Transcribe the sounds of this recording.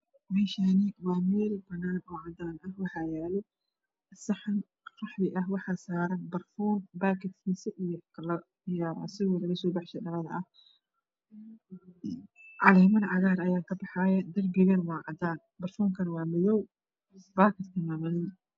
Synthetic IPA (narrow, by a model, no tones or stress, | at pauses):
mɛːʃanɪwɑːmɛːlbɐnːaːnɔːʕɑd̪aːnɐhwɑħɑːjɛːlɛ | ʔɐsɐħɐn | rɑħðɪʔɐɦwɑħɑːsaːɾɐnbɐrfɔːnbaːkʰɪd̪kʰiːsɐʔijɔklɐ | j̰sɪɔlɐɣɐsɔːbɑħʃɛdɐlɐðɐ̰ʔɐh | ʕɑlɛːmɐnʕɑɣaːɾɐjaːkʰɐbɑħɑːjɐd̪ɐrbɪɣɐnwɑːʕɑd̪aːn | bɐrfɔːŋkʰɐnwɑːmɪðɔw | baːkʰɐd̪kʰɐmaːmɐnɪn